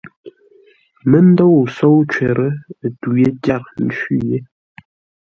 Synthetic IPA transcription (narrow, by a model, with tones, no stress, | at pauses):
mə˦n̩˦do˦˨wso˦wt͡ʃɛ˨ɾʔə˦˨tu˨je˦tja˦˨ɾn̩˦˨t͡ʃi˦je˦